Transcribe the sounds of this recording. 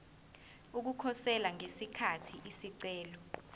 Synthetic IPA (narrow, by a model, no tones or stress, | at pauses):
uk̬ukʰɔsɛlaŋesikʰatʰiʔisiǀɛːlɔ